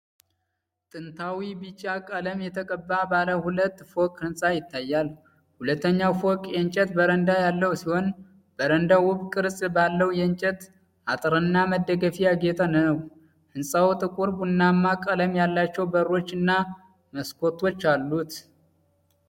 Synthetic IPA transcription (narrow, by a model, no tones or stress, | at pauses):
t̪ʼɨnt̪ʰawibɨt͡ʃːakʼələmjɛt̪ʰəkʼəbːabaləhulət̪ːfokʼhɨnsʼajɪt̪ːajːal | hulət̪ːəɲːawfokʼjɛnt͡ʃʼɛt̪bəɾənd̪ajalːəwsiho̞n | b̥əɾənd̪awʊβkʼɨɾsʼbalːəwjɛɨnt͡ʃʼɛt̪ | ʔat̪ʼɨɾɨnːaməd̪əɡəfijaɡe̞t̪ʰanəw | hɨnsʼawt̪ʼɨkʼuɾbunːamːakʼələmjalːat͡ʃːɛwbəɾːo̞t͡ʃːɨnːa | məskʰo̞t̪ʰːo̞t͡ʃːalːut̪